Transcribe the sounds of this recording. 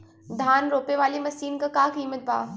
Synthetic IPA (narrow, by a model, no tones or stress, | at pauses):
d̪ʱaːnɾoːpeʋaːlimɐsiːnkakaːkiːmət̪̚bʱa̰ː